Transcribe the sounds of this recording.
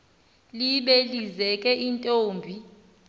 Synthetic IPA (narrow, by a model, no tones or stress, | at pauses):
liɓelizɛkʼɛʔintʼoːmbʱi